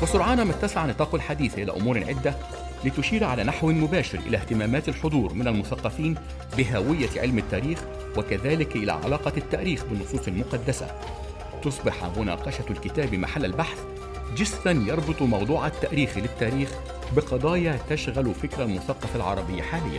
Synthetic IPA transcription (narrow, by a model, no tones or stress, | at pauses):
wɪsʊɾʕɑːnamat̪ːasʕant̪ˤɑːqwɪlħad̪iːθʔɪlæ̰ːʔʊmuːɾʕɪd̪ːæ | lɪt̪ʊʃiːɾʕalæːnaħwɪmʊbæːʃɪɾʔɪ̰læht̪ɪmæːmæːt̪alħod̪ˤuːɾˤmɪnalmʊθɑqːɑfiːn | bɪɦæwɪjːaʕɪ̰lmɪt̪ːæːɾiːx | wɪkæðæːlɪkʔɪlæ̰ːʕa̰lɑːqɑt̪ːæʔɾiːxbɪnːʊsˤuːsˤɪlmʊqɑd̪ːasa̰ | t̪ʊsˤbɑħmʊnɑ̰ːqɑʃalkɪt̪æːbima̰ħalːalbaħθ | d͡ʒɪzʔænjɑɾˤbɨt̪ˤmɑwd̪ˤuːʕat̪ːæʔɾiːxlɪt̪ːæːɾiːx | bɪqɑd̪ˤɑːjɑt̪aʃɣælfɪkɾalmʊθɑqːɑfalʕɑ̰ɾˤɑbɪjːaħaːlɪjːæ̰